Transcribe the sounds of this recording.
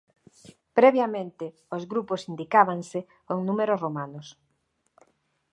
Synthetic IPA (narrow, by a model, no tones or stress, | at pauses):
pɾɛβjamẽnt̪ɪ | ozɣɾuposind̪ikaβaŋse | koŋnũmeɾosromanʊs